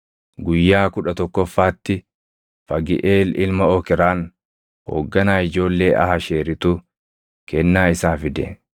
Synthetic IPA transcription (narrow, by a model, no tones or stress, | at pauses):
ɡʊjːaːkʊᶑɐt̪ɔkːɔfːaːt̪ːɪ | fɐɡɪ̰ʔeːlɪlmɐɔkɪɾaːn | ho̰ːɡːɐnaːɪd͡ʒo̞ːlːe̞ːʔɐ̰hɐʃeːɾɪt̪ʊ | kɛnːaːɪsaːfɪd̪ḛːn